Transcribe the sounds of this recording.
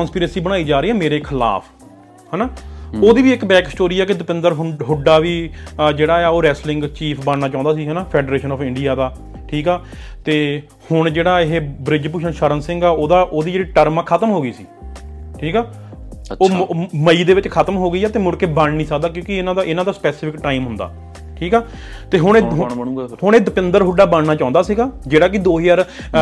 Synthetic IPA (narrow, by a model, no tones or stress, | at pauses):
kɔːnspiːɾeːsiːbəɽ̃aːiːd͡ʒaːɾəiːɛːmeːɾeːkʰɪla̰ːpʰ | hɛːnaːoːd̪iːʋiːɪkbɛːksʈoːɾiːɛːkɪd̪ɪpɪnd̪əɾɦʊɖaːʋiːd͡ʒeːɽaːɛaːoːɾɛːslɪŋɡt͡ʃiːpʰbəɳnaːt͡ʃãːnd̪aːs̬iːɦɛːnaːpʰɛːɖɾeːʃənɔːpʰɪ̃ɳɖijaːd̪aː | ʈʰiːkɛː | t̪eː | hʊɳd͡ʒeːɽaːɪɦeːbɾɪd͡ʒp̬ʊʃənʃəɾənsɪ̃ŋɡaːoːd̪aːʔoːd̪iːd͡ʒeːɽiːʈəɾmaːkʰət̪əmɦoːɡəiːsiːʈʰiːkɛː | oːməiːd̪eːʋɪt͡ʃkʰət̪əmɦoːɡəiːɛːt̪eːmʊɽkeːbəɳnĩːsəkd̪aːk̬jõːkɪɪnãːd̪aʔɪnãːd̪aːspɛːsɪfʰɪkʈaːimɦʊ̃nd̪a̰ː | ʈʰiːkɛː | t̪eːɦʊɳː | ɦʊɳ̃eːd̪əpɪnd̪əɾɦʊɖaːbəɳnaːt͡ʃãːʊ̃nd̪aːsiːɡaːd͡ʒeːɽaːk̬ɪd̪oːjəɾ